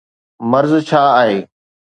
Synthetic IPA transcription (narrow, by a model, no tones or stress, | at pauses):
məɾzt͡ɕʰaːaːɦeː